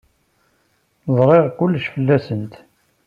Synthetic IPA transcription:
zˤɾˤeʁkʊlːʃfəlːæsənt̪

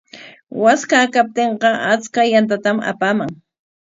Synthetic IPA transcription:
waskakap̚t̪eɴqɑat͡skajant̪̬at̪ama̰paːmaŋ

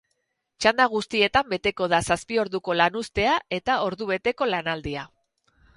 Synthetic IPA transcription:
t͡ʃand̪aɣ̞ust̪ie̞t̪ambe̞t̪e̞ko̞ð̞asaspio̞ɾðuko̞lanust̪e̞ae̞t̪ao̞ɾðuβe̞t̪e̞ko̞lanald̪ia

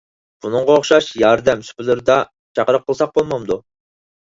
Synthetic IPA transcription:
b̥unɨŋʁɑoχʃɑʃjɑɾd̪ɛmsy̥pʰɪlɪɾd̪ɑ | t͡ʃʰɑqəɾəq̚ʰːəlˠsɑq̚bolˠmɑmd̪u

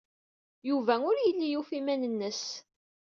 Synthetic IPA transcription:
juvæʊɾjəlːijufimænənːəs

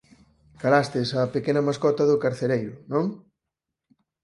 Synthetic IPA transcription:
kalast̪ɪsapekenɐmaskɔt̪ɐðʊkaɾθeɾejɾʊnõŋ

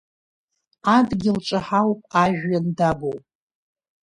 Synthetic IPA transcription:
adɡʲɪlʈ͡ʂʼaħawpʼaʒᶣːandabowpʼ

